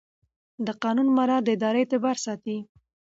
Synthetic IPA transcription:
d̪əqɑnunmaɾɑd̪əɪd̪ɑɾəet̪ɪbɑɾsɑt̪i

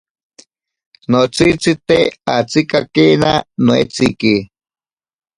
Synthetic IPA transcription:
not͡sit͡sit̪eat͡sikakenanoḛt͡siki

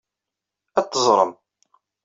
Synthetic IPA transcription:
æt̪ːəzˤɾˤə̰m

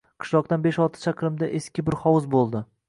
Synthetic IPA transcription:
qʰɨ̥ʃlˠɒq̚t̪anbeʃɒlˠt̪ʰɪ̥t͡ʃʰaqʰɾɪmd̪aʔeskʲɪbɪɾχɒwɨzbolˠd̪ɪ

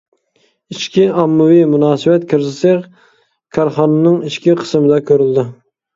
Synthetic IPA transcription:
iʃkʲʰiɑmːʊwimunɑːsɨbɛt̪kʲʰɪɾzɪsɪɾ | kʲʰɑɾχɑnɑnɨŋiʃkʲiqʰə̥smɪd̪ɛkʲʰøɾyld̪ɪ

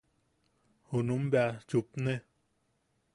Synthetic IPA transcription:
hunumbat͡ʃupne

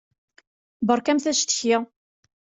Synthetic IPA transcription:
bəɾˤkæmθæʃt̪ə̥çjɪ

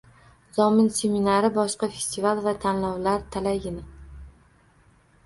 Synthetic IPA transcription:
z̥ɒmɪnsʲe̞minaɾɪbɒʃqɑfe̞̥st̪ivalˠvat̪ʰanlɒwlaɾt̪ʰalaɡʲɪnɪ

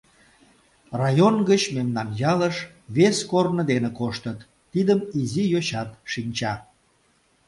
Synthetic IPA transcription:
rɑjonɡət͡ɕmemnɑnjɑləʃ | βeskornəd̪enekoʃt̪ət̪ːid̪əmizijoɕɑt̪ʃinʲt͡ɕɑ

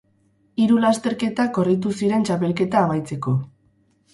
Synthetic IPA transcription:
iɾulast̪e̞ɾke̞t̪ako̞rit̪̬usiɾe̞nt͡ʃape̞lke̞t̪aːβajt͡se̞ko̞

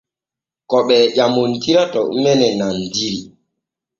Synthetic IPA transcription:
kɔɓɛːʄamontiɾatɔʔumɛnɛnandiɾi

